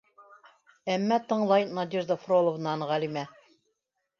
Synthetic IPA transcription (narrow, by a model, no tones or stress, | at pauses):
æmːæt̪ɤ̆ɴlˠɑjnɑd̪ʲiɾd̪əfrolˠovnɑnʁælʲimæ